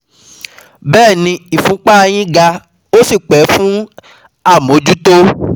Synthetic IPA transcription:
bɛː˦˨nĩ˧i˨fũ˨˦k͡pa˦˧j̃ĩ˦ɡa˧ | o˦si˦˨k͡pɛ˨˦fũ˦ | a˦˨mõ˨˦d͡ʒu˦to˦

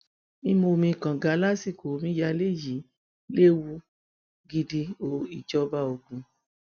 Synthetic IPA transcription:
i˧mo˧mĩ˧˨kã˨ɡa˨˦la˦si˦˨ko˨˦mĩ˦ja˧le˦˨ji˨˦ | le˦wu˧ | ɡi˧di˧o˧i˨d͡ʒɔ˦ba˦o˧ɡũ˧

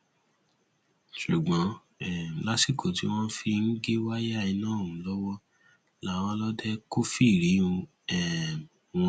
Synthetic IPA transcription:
ʃu˨ɡ͡bɔ̃˨˦ | ɛ˨la˦si˦˨kʰo˨ti˧˦w̃ɔ̃˦fi˧n̩˦ɡe˦wa˦ja˦˨i˧nãː˦˨ũ˨˦lɔ˦wɔ˦ | la˦w̃ɔ̃˧˦lɔ˦dɛ˦ko˦fi˦˨ɾi˨˦ũ˧ | ɛ˨ | w̃ɔ̃˦

